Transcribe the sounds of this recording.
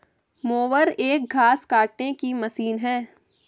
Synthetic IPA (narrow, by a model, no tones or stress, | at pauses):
moːʋəɾeːk̚ɡʱaːskaːʈnekimɐsiːnɦɛː